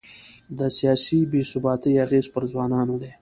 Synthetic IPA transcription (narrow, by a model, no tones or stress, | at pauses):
d̪əsijɑsibesʊbɑt̪iaɣezpəɾzwɑnɑnod̪e